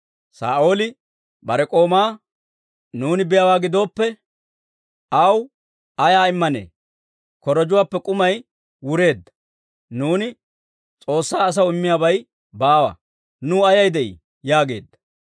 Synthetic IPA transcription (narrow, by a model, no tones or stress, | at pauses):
sa̰ːʔo̞ːlɪ | bɐɾɛkʼo̞ːmaː | nuːnɪbɪjawaːɡɪd̪o̞ːpːɛ | ɐw | ɐjaːɪmːɐnḛː | kɔɾɔd͡ʒʊwaːpːɛkʼʊmɐj | wʊɾe̞ːd̪ːɐ̥ | nuːnɪ | t͡sʼo̞ːsːaːs̬ɐwɪmːɪjaːbɐj | baːwɐ̰ | nʊɐjɐjd̪ɛʔḭ | jaːɡe̞̰ːd̪ːɐ̥